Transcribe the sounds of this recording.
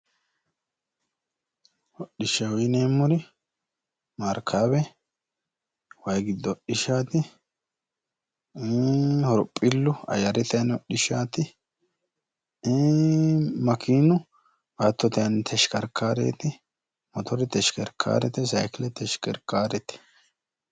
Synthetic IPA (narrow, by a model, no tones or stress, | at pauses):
hɔɗɪʃɐwineːmːʊɾɪ | mɐɾkʰːabɛ | wɐjɡɪd̪ːɔɗɪʃaːt̪ɪ | hɔɾpʼːɪlːʊɐ̰jɐɾɛt̪ɛjɐnɔɗɪʃaːt̪ɪ | mɐkʰiːnʊ | at̪ːɔt̪ɛjɐnt̪ʰɛʃkɐɾkʰːaːɾḛːt̪ɪ | mɔt̪ɔɾɪt̪ɛʃkɛɾkʰːa̰ːɾɛt̪ɛsɐ̰jkɪlɛt̪ɛʃkɛɾkːaːɾɛt̪ɛ̥